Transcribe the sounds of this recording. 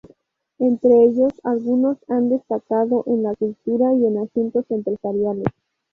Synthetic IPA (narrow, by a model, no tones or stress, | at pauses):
e̞nt̪ɾe̞eʝo̞salɣuno̞sand̪e̞st̪akaðo̞ʔenlakult̪uɾaie̞nasjunt̪o̞se̞mpɾesaɾjales